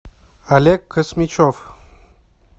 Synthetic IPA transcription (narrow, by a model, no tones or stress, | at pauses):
alekʰːəsmit͡ɕof